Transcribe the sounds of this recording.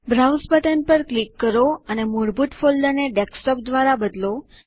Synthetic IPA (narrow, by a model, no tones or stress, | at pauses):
bɾawspəʈənpəɾklikːəɾoənemoɾbuʈfold̪əneɖeksʈɔp̚d̪ʋaɾabəd̪lo